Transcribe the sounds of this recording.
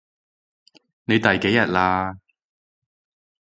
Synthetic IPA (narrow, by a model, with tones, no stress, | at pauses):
ne˨˧jt̪ɐ˨jke˨˥jːɐ˨t̚laː˧